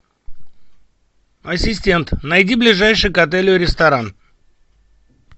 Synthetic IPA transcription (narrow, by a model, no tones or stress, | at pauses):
ɐsʲɪsʲtʲe̞nt̪nɐjdʲiblʲɪʐajʂɨjʊkɐt̪̬ɛlʲɪʊɾʲɪst̪ɐɾan